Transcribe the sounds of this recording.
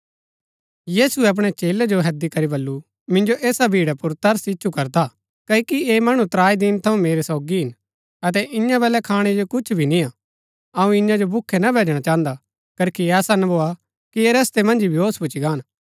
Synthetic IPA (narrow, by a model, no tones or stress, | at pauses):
jiːsuɛɐp̬ɽ̃et͡ʃeːled͡ʒoɦɛd̪ikɐɾibɐlːu | mɪ̃nd͡ʒoʔeːsabʱiːɽapʊɾt̪ɐɾsɪt͡ʃːʃʰukɐɾd̪a | kɐikieːmɐɽ̃ut̪ɾaːid̪ɪnt̪ʰɐũmeːɾesɔːɡiɦɪn | ɐt̪̬ɛʔɪ̃ɲãbɛːlɛkʰaːɽ̃ed͡ʒokʊt͡ʃʰbʱinĩa | ɐũɪ̃ɲãd͡ʒobʊkʰːenabʱeːd͡ʒɽ̃at͡ʃãːnd̪a | kɐɾkʰiɛːsanboːa | kieɾɐst̪emɐ̃nd͡ʒibʱɪɦoːspʊt͡ʃʰiɡaːn